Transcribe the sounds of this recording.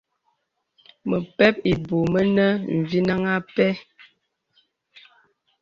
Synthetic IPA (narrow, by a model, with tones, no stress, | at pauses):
mə˨pɛ˦p̚i˨bo˨mə˦nə˦m̩˨vi˦na˦ŋa˦pɛ˦